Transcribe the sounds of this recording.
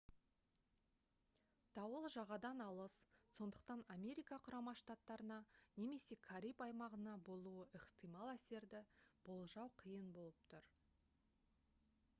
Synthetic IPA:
t̪ʰɑwəlˠʒɑʁɑd̪ɑnɑlˠəsso̞nd̪əq̚t̪ɑnamʲe̞ɾʲijkɑqʰʊɾɑmɑʃt̪at̪ːɑɾənɑne̞me̞se̞kʰaɾʲijpɑjmɑʁənɑbo̞lˠuəʔɪqt̪ʰimɑlˠæse̞ɾd̪ɪb̥olˠʒɑwqʰəjənbo̞lˠəpt̪ʰʊɾ

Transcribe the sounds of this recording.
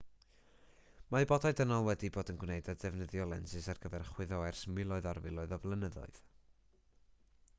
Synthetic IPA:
maɨbɔdaɨdənɔlˠwɛdiboːdənɡwnejdadɛvnəðjɔlˠɛ̰nsɨsarɡ̥əðɛrχwɪðɔɛrsmwɪlˠɔɨðarvɪlˠɔɨðɔblˠənəðɔ̰ɨð̥

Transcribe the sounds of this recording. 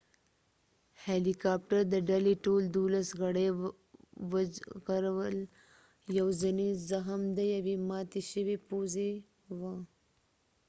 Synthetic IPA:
helikɑːp̚ʈəɾd̪əɖaliʈold̪ulasɣaɽe | wɣaɾawəl | jawzanizaɦəmd̪əjawimɑːt̪eʃəwepoze | wa

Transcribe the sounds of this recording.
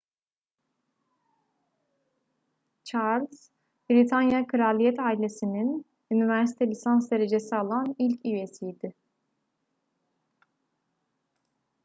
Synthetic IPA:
t͡ʃʰaɾlʲz̥ | b̥ɾit̪ʰanjakʰɯɾalʲijɛt̪ʰaːilʲesinin | ynivæɾsi̥t̪ʰɛlʲisansd̪e̞ɾe̞d͡ʒesialˠanilʲcʰyesijd̪ɪ

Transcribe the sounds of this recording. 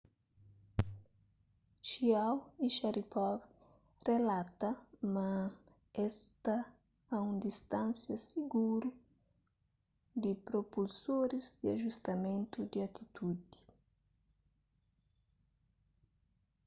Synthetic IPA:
ʃiawiʃaɾipɔɡ | relat̪ɐmɐ̃ | ɛst̪ɐ | aũnd̪ist̪ãnsjɐsiɡuɾu | d̪ipɾopulsoɾizd̪iaʒust̪ɐmẽnt̪ud̪iat̪ʰit̪ud̪i̥

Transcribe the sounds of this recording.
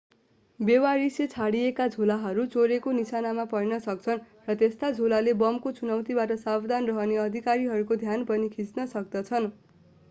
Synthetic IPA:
bewaɾiset͡sʰaɽijekad͡zʱolaɦʌɾut͡soɾekonisanamapʌjnʌsʌk̚t͡sʰʌn | rʌt̪est̪ad͡zʱolalebʌmkot͡sunʌwt̪ibaʈʌsabd̪ʱanrʌɦʌneʌd̪ʱikaɾiɦʌɾukod̪ʱjanpʌnikʰit͡snʌsʌk̚d̪ʌt͡sʰʌn

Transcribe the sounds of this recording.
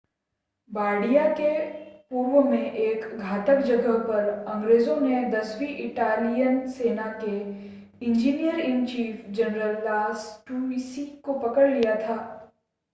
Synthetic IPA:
baːɽijakepuːɾwəmẽʔeːkɡʱaːt̪əkd͡ʒɐɡəɦpɐɾɐ̃ŋɡɾeːzõned̪ɐswiʔɪʈaːlijənseːnake | ɪ̃ɲd͡ʒiːnijəɾɪ̃nt͡ʃiːfd͡ʒɛnɾəlːaːsʈuːmisikopɐkəɽlijat̪ʰaː

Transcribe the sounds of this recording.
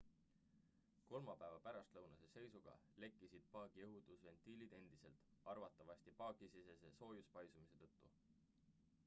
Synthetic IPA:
ko̞lmɑpæevɑpæɾɑst̪lɤwnɑse̞se̞jsuɡ̥ɑ̰le̞kˑːisid̪̥̚pɑːɡ̥ieɦud̪̥usve̞nt̪iːlid̪e̞nd̪̥i̥se̞̰lt̪ˑɑrvɑt̪ːˑɑvɑsʲt̪ipɑːɡ̥isiseseso̞ːjuspɑjsumise̞t̪ɤ̞t̪ːu

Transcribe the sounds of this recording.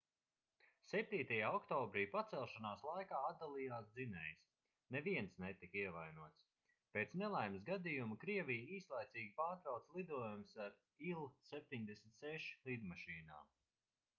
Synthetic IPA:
sɛp̚t̪iːt̪ajaːɔkt̪ɔːbɾiːpat̪sɛlˠʃanaːslˠajkaːad̪̚d̪alˠijaːsd̪zinɛjs | neviɛnsnɛt̪ikiɛvajnuɔt̪s | peːt̪snɛlˠajmsɡad̪ijumukɾiɛvijiːslˠajt̪siːɡʲipaːɾt̪ɾawt̪slˠid̪uɔjumsaɾ | ilˠsɛp̚t̪ʲiɲd̪esmʲit̪sɛʃlˠid̪maʃiːna̰ːm

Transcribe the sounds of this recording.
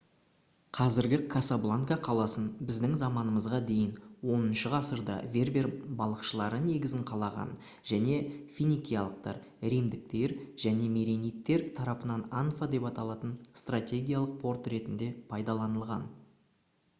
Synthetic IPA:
qʰɑzɪɾɡʲɪkʰasablˠaŋkaqʰɑlˠɑsənbɪzd̪ɪŋzɑmɑnəməzʁɑd̪e̞jɪnwo̞nənʃəʁɑsəɾd̪ɑ̰vʲe̞rbe̞rbɑlˠəqʃəlˠɑɾəne̞ɡʲɪzɪɴqʰɑlˠɑʁɑ̰n | ʒ̥æne̞fʲinikʲijaɑlˠəq̚t̪ɑ̰ɾ | ɾind̪ɪk̚t̪e̞ɾʒ̥æne̞meɾenijt̪ːe̞ɾt̪ʰɑɾɑpənɑnanfad̪e̞pɑt̪ɑlˠɑt̪ənst̪rat̪ʲe̞ɡʲijalˠəq̚pʰo̞rt̪ɾe̞t̪ɪnd̪e̞pʰɑjd̪ɑlˠɑnəlˠʁɑ̰n

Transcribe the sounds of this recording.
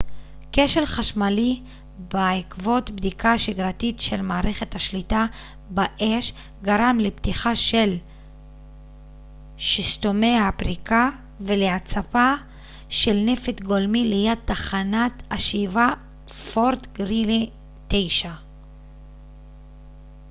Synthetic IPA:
ke̞ʃelχaʃmali | baikvo̞tbd̪ikaʃiɡʁatitʃelmaːʁe̞χe̞thaʃlita | baʔe̞ʃ | ɡaʁamleptiχaʃel | ʃist̪o̞me̞jhapʁika | veleat͡sapa | ʃe̞lne̞fet̪ɡolmilejad̚taχanataʃiva | foʁtɡʁili | t̪ejʃa

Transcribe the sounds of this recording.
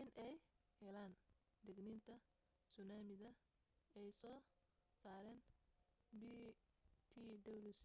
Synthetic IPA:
ʔɪnʔɛjhɛlaːn | d̪ɛɡniːnt̪ʰɐ | sʊnaːmɪðɐ | ɛjsɔː | saːɾɛːn | bi | t̪ʰid̪ɐbls

